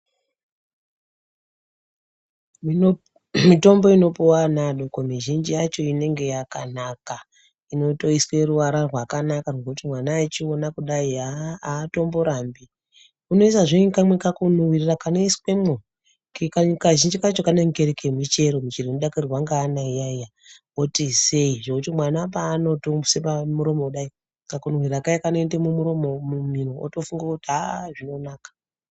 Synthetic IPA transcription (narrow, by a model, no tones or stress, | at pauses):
mito̞mbo̞ino̞puwanaɗokomiʒind͡ʒijat͡ʃo̞ine̞ŋɡe̞jakanaka | ino̞to̞iswe̞ɾuʋaɾarwakanakarokutimwanaːt͡ʃionakuɗaiaaːto̞mbo̞ɾambi | uno̞is̬aʐeinkamwekakunuwirirakaneisi̥kwemo | kkakaʒind͡ʒikat͡ʃokaneŋɡeɾekemit͡ʃe̞ɾo̞mit͡ʃirenuɗakurrwaŋɡaːnaijaija | otise̞iʐokutimwanap̬aːno̞tousepamuɾo̞mo̞uɗai | kakunowiɾakajekanoendemumuɾo̞momuminoo̰tofuŋɡakutiɦaʐino̞naːkḁ